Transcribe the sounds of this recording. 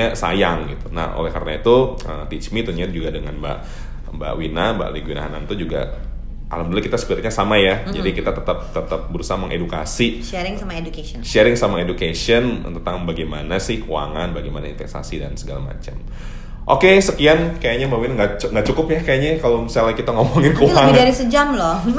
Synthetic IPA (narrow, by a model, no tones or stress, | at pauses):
asa̰jaŋɡit̪una̰hʔo̰lɛhkaɾənait̪uə̰t̪it͡ʃmit̪uɲat̪̚d͡ʒuɡadəŋanba̰ʔ | ba̰ʔwinaba̰ʔliɡwina̰ɦa̰na̰nt̪ud͡ʒuɡa̰ | a̰lamdulakit̪asə̥piɾtɲasamajad͡ʒadikit̪at̪ət̪ap̚t̪ət̪ap̚bəɾusaɦaməŋʔḛdukasi | ɛɾɪŋamaedukaɔʃɛɾɪŋsamaedukasən̰t̪ət̪aŋbaɡajmanasɪhkua̰ŋanbaɡajmanaint̪ɛksa̰sidansəɡala̰ma̰t͡ʃam | ʔokesəkiankajaɲambawinaŋɡaʔt͡ʃŋɡaʔt͡ʃukʊpjakajaɲakalomisalaikit̪aŋomɔŋɪnkuləaŋbɪdaɾisəd͡ʒamlɔ